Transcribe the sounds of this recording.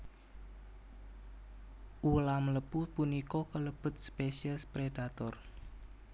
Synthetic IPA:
ʔulamləpupunikɔkələb̥ʊ̤t̪̚spesiəspɾed̥at̪ɔr

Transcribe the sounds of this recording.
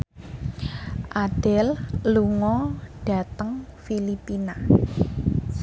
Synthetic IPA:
ʔad̥ɛ̤lluŋɔɖ̥a̤t̪əŋfilipina

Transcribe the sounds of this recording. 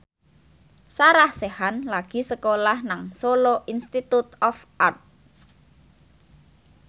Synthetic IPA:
saɾahsehanlaɡ̥i̤səkolahnaŋsoloʔinst̪it̪ut̪ɔfʔart̪̚

